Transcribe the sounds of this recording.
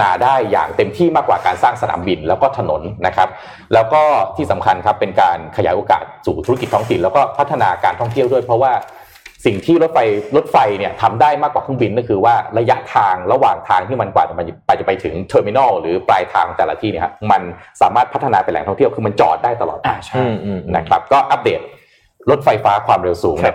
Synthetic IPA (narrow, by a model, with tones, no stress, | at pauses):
aː˧daː˥˩jːa̰ː˨˩ŋt̪e˧mt̪ʰiː˥˩maː˥˩kːwaː˨˩kaː˧nsaː˥˩ŋsa˧na̰ː˩˦mbi˧nlɛː˦˥wkɔː˥˩t̪ʰa˧no˩˦nːa˦˥kʰa˦˥p̚ | lɛː˦˥wkɔː˥˩t̪ʰiː˥˩sa˩˦mkʰa˧nkʰa˦˥pːe˧nkaː˧nkʰa˧ja̰ː˩˦jʔoː˧ka̰ː˨˩t̪̚suː˨˩t̪ʰu˦˥ki˨˩t̪ʰːɔː˦˥ŋt̪ʰi˨˩nlɛː˦˥wkɔː˥˩pʰa˦˥t̪ʰːa˧naː˧kaː˧nt̪ʰɔ˥˩ŋt̪ʰi˥˩əwdu˥˩əjpʰɾɔ˦˥waː˥˩ | si˨˩ŋt̪ʰiː˥˩lo˦˥t̪̚fa˧jlo˦˥t̪̚fa˧jni˥˩ɐt̪ʰa˧mdaː˥˩jmaː˥˩kwaː˨˩kʰɯ˥˩mbi˧nːi˥˩kʰɯː˧waː˥˩ɾa˧ja˦˥ʔt̪ʰaː˧ŋɾa˧waː˨˩ŋt̪ʰaː˧ŋt̪ʰiː˥˩ma˧nkwaː˨˩˨ma˧npaː˨˩t͡ɕa˨˩pa˧jt̪ʰɯ˩˦ŋt̪ʰɤː˧mi˧nɔ˥˩ɾɯː˩˦plaː˧jt̪ʰaː˧ŋ˧t̪ɛː˨˩la̰˦˧t̪ʰiː˥˩i˥˩ha˦˥ma˧nsaː˩˦maː˥˩t̪̚pʰt̪ʰːnaː˧pe˧nlɛ̰˨˩˦ŋt̪ɔ˥ŋt̪ʰəwkʰɯː˧ma˧nt͡ɕɔ̰ː˨˩t̪̚daː˥˩jt̪a˧lɔ̰˨˩a˧˨˧na̰˧kʰɾa˦˥p̚kɔː˥˩ʔa˦˥p̚deː˨˩t̪̚ | lo˦˥t̪̚fa˧jfaː˦˥kʰwaː˧mɾe˧wsuː˩˦ŋn˥˩˨